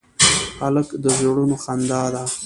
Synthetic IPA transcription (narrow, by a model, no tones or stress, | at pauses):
xaləkd̪əzoɽunoxand̪ɑd̪a